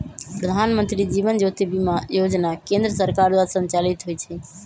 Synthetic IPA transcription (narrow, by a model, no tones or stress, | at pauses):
pɾəd̪ʱaːnmənt̪ɾid͡ʒiʋənd͡ʒot̪ibimajod͡ʒnakẽnd̪ɾəsəɾkaɾd̪wasə̃nt͡ʃalit̪ɦojt͡ʃʰɛ